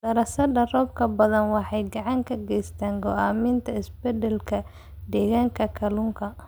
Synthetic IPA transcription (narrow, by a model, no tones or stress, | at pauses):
dɐɾɐsɐɖɐrɔːb̚kʰɐbɐðɐnwɑħɑjɡɑʕɑŋkʰɐɡɛjst̪ʰaːŋɡɔaːmɪnt̪ʰɐɪsbɛd̪ɛlkʰɐ | d̪ɛːɣaːŋkʰɐkʰɐlʊŋkʰɐ